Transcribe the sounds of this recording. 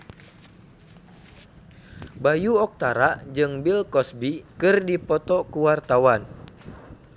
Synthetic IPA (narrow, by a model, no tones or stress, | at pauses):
bajuɔk̚t̪aɾad͡ʒɨŋbilkɔsbikɨrdipɔt̪ɔkuwart̪awan